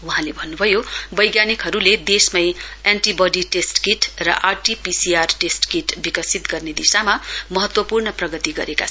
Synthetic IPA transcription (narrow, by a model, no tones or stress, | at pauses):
wuɦãlebʱʌnːubʱʌjobʌjɡjanikɦʌɾuled̪esmʌjenʈibʌɖiʈesʈkiʈrʌ̰ʔarʈipisiarʈesʈkiʈbikʌsit̪ɡʌrned̪isamamʌɦʌt̪wʌpurnʌprʌɡʌt̪iɡʌ̰ɾeka